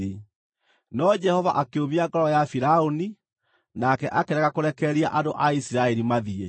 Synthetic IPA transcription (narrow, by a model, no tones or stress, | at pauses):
e | nɔd͡ʒɛhɔvaʔakeoβiaɡɔɾɔjafiɾaoni | nakɛʔakeɾɛɣakoɾɛkɛɾiaʔadoʔaisiɾaɛɾimaðie